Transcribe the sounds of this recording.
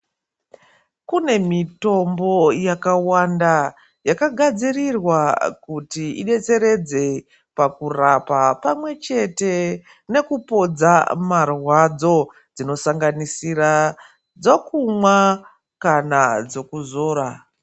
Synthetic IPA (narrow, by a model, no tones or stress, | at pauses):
kune̞mito̞mbo̞jakawanda | jakaɡʱad͡zirirwakutiiɗe̞t͡se̞ɾe̞d͡ze̞ | pakurapapamwe̞t͡ʃe̞te̞ | ne̞kupo̞d͡zamarwad͡zo̞ | d͡zino̞saŋɡanisira | d͡zokumwa | kanad͡zo̞kuzo̞ːɾa